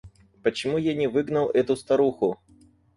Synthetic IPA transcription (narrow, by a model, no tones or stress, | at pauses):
pət͡ɕɪmujanʲɪvɨɡnəlˠɛt̪ʊst̪ɐɾuxʊ